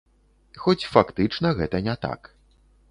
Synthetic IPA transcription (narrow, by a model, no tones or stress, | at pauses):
xɔt͡sʲfakt̪ɨt͡ʂnɐɣɛt̪ɐnʲɛt̪a̰k